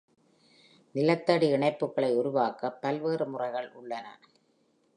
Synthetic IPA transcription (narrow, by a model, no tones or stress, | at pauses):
nɪlɐt̪ːɐɽiɪɳɐɪpːɯkːɐɭɐɪʊɾʊʋaːkːɐpːɐlʋeːrɯmʊrɐɪɣɐɭʔʊɭːɐnɐ̰